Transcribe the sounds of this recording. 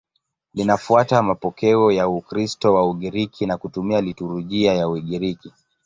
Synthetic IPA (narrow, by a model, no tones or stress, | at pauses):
linafuatamapɔkɛɔjaukɾistɔwauɠiɾikʰinakutumialituɾuʄiajawiɠiɾiki